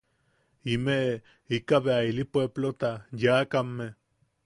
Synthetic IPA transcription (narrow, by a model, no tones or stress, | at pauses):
imeʔ | ikaβeailipweblot̪ajakamːe